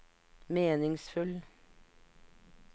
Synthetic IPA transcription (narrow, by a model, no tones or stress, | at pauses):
meːnɪŋsfʉl